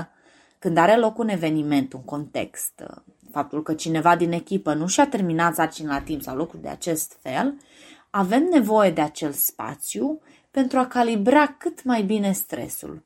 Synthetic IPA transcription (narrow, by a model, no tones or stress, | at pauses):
kɨnd̪aɾe̞lo̞kune̞ve̞nime̞nt̪uŋko̞nt̪e̞̰kst̪ | fap̚t̪ulkət͡ʃine̞vad̪ine̞kʲipənuʃiat̪e̞rminat̪sart͡ʃinlat̪impsa̰wlukɾud̪ea̰t͡ʃe̞st̪fe̞̰l | ave̞mne̞vo̞je̞d̪e̞at͡ʃe̞lt̪spa̰t̪sju | pe̞nt̪ɾuakalibɾakɨt̪majbine̞st̪ɾe̞̰sṵl